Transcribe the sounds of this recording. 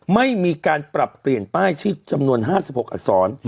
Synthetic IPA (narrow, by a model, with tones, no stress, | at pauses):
ma˥˩jmiː˧kaː˧npɾa˨˩pːli˨˩ənt̪aː˥˩jt͡ɕ̪ʰiː˥˩t͡ɕa˧mnu˧ənɦaː˥˩si˨˩p̚ho˨˩k̚ʔa̰˨˩sɔː˩˦n